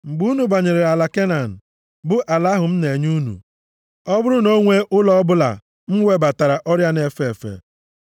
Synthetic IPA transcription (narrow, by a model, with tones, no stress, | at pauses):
ŋ͡m̩˨ɡ͡bu˦nu˨ba˨ɲe˨ɾe˨ɾa˨la˨ke˦na˨n̩˨ | bʊ˦ʔa˨la˦ɦʊ˨m̩˦ne˨ɲu˦nṵ˨ | ɔ˦bʊ˦ɾʊ˦no˦ŋʷe˦ʔʊ˦lɔ˦bʊ˦la̰˨ | m̩˦ŋʷe˦ba˨ta˨ɾa˨ʔɔ˦ɾja˦ne˨fe˨fḛ˨